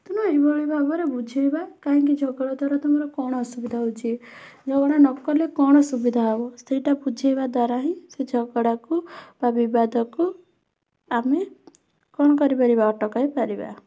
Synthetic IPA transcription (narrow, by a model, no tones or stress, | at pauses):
t̪unɔebɔɭibʱabɔɾebud͡ʒʱibakaɦĩŋkid͡ʒʱɔɡɔɽad̪ʱaɾɔt̪umɔɾɔkɔɽ̃ɔɔsubid̪ʱaɦut͡ʃʰid͡ʒɔɡɔɽanɔkɔlekɔɽ̃ɔsubid̪ʱaabɔseiʈabud͡ʒʱibad̪waɾaɦĩsed͡ʒʱɔɡɔɽakub̥abibad̪ɔku | ame | kɔɽ̃ɔkɔɾipaɾibaɔʈɔkajpaɾiba̰